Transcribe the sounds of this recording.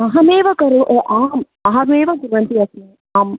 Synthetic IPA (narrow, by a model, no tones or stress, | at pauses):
ɐɦɐmeːʋɐkɐɾuʔeʔaːm | ɐɦɐɾeːʋɐɡiɾʋɐnt̪iɐsi | aːm